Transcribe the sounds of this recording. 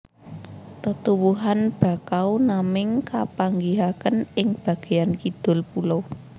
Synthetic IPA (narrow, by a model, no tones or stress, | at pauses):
t̪ət̪uwuɦanb̥ä̤kawnamɪŋkapaŋɡiɦakənɪŋb̥a̤ɡ̥e̤jankid̪̥ʊ̤lpulo